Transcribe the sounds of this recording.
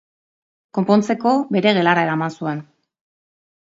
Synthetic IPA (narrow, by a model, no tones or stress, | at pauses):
ko̞mpo̞nt͡se̞ko̞be̞ɾe̞ɣe̞laɾaeɾamansue̞n